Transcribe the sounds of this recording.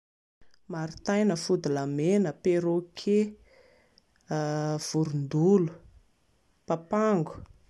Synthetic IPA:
maɾit̪ajnəfud̪ilamenəpeɾokʰe | v̥uɾund̪ulu̥ | papaŋɡu̥

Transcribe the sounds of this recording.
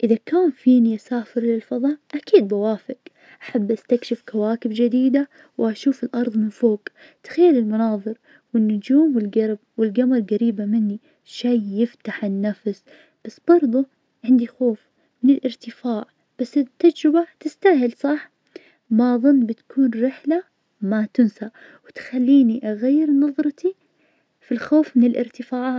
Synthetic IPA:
ʔɪðakaːnfiːniʔasaːfɪɾlɪlfɑðˤɑːʔʔakiːd̪̚bawaːfɪk | ʔaħabːʔast̪akʃɪfkawaːkɪbd͡ʒɪd̪iːd̪a | wɪʔaʃuːfɪlʔɑɾˤðˤmɪnfoːk | t̪ḁxajːalɪlmʊnɑːðˤɨɾ | wɪnːʊd͡ʒuːmwɪlɡɑɾb̚wɪlɡamalɣaɾiːbamɪnːi | ʃajjɪft̪aħɪnːafs | b̥asːb̥ɑɾˤðˤʊ | ʕɪnd̪ixoːf | mɪnɪlʔɪɾt̪ɪfaːʕ | b̥asːɪt̪ːad͡ʒɾɪbat̪ɪst̪aɦɪlsˤɑħ | maðˤʊnːbɪt̪ḁkʰuːnɾɪħla | mat̪ʊnsa | wɪt̪xalːiːniʔaɣajːɪɾnɑðˤɾˤɑt̪i | filxoːfmɪnɪlʔɪɾt̪ɪfaːʕaːt̪

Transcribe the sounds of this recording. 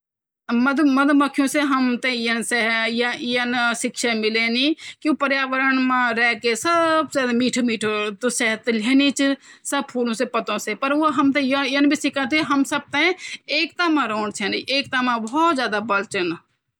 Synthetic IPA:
məd̪məd̪məkʰjõseɦəmt̪ejənsejjənʃɪkʃamɪlenikjõpəɾjaːʋəɾənmãɾɛːkesəbzaːd̪miːʈʰmiːʈʰt̪osɛɦət̪leːnit͡ʃisəb̚pʰuːlõsepət̪õsepəɾʋoɦɐmt̪ejjɐnbʱisɪkʰãt̪̬eɦɐmsəb̚t̪eeːkt̪amãɾoːɳt͡ʃʰeniʔeːk̚t̪amãbɔːt̪zjaːd̪abəlt͡ʃən

